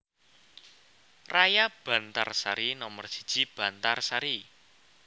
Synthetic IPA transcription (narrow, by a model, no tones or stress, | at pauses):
rajab̥ä̤nt̪a̰rsaɾinɔmərsi̥d̥ʒ̥i̤b̥ä̤nt̪arsaɾi